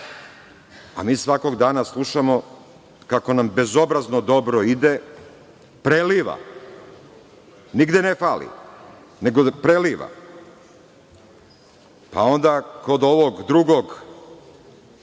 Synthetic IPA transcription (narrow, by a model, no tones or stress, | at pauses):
a̰miːsʋako̞ɡd̪aːnaslˠuʃamo̞ | kako̞nambe̞zo̞bɾaznod̪o̞bɾoid̪e | pɾeliːʋa̰ | niɡd̪enefaːlḭ | ne̞ɡopɾeliːʋa̰ | pa̰o̞nd̪ako̞d̪o̞ʋoɡd̪ɾuɡo̞ɡ